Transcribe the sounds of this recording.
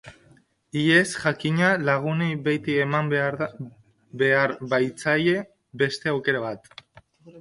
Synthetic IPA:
ie̞sʝakiɲalaɣ̞unejβejt̪ie̞mam | be̞aɾβajt͡saje̞ | be̞st̪e̞awke̞ɾaβ̞at̪

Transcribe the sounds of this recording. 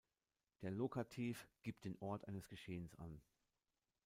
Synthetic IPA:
d̥eːɐlokatʰiːfɡ̥iːp̚t̚d̥eːnʔɔɐtʔa̰ɪnəsɡ̥əʃeːənsʔa̰n

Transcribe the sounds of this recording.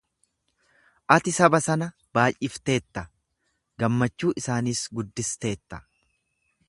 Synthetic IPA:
ʔɐt̪ɪsɐbɐsɐnɐ | b̥aːjʔʔɪft̪e̞ːt̪ːɐ | ɡɐmːɐt͡ʃːuːʔɪsaːniːsɡʊd̪ːɪst̪e̞ːt̪ːɐ̥

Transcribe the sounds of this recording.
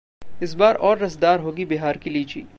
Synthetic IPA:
ɪsbaːɾɔːɾːɐsd̪aːɾɦoːɡibeːɦaːɾkiliːt͡ʃḭː

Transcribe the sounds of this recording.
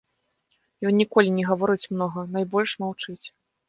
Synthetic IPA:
jɔnːʲikɔlʲinʲɛɣavɔɾɨt͡sʲmnɔɣɐn̪ajbɔlʲʂmawt͡ʂɨt͡sʲ

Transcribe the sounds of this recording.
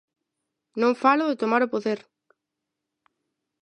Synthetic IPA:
nõŋfalʊðɪt̪omaɾopoðeɾ

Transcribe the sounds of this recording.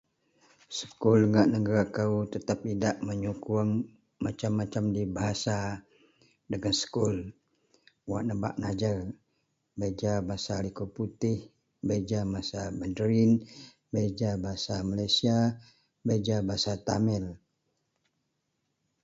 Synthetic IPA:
sə̥kuləŋaʔnəɡaɾakaut̪ət̪ap̚idaʔməɲukuaŋ | mat͡ʃamːat͡ʃamdibaɦasa | dəŋansə̥kʊl | waʔnəba̰ʔnad͡ʒər | bed͡ʒabaɦasalikuput̪ɪh | bed͡ʒamasabədəɾin | bed͡ʒabaɦasamalajsia | bed͡ʒabaɦasat̪amɛl

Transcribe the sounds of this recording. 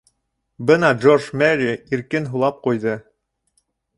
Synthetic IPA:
bɤnɑd͡ʒorʒmæɾiiɾkɘnɦulˠɑp̚qujðɤ

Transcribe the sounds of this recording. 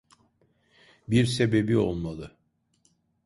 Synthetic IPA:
biɾse̞be̞bio̞̰lˠmalˠɯ

